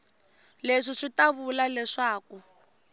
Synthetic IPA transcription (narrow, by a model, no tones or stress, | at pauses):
leʂiʂitaβulalɛʂaːku